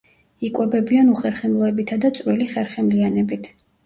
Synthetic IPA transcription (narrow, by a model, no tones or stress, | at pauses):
ikʼwɛbɛbianuχɛɾχɛmlˠɔɛbit̪ʰad̪at̪sʼɾiliχɛɾχɛmlianɛbit̪ʰ